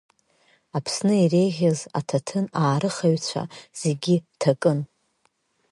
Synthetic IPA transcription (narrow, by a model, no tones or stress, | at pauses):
apʰsnɨire̞jʁʲaza̰tʰatʰɨnaːɾɨχaɥt͡ɕʷʰa̰z̥e̞ɡʲitʰakʼɨn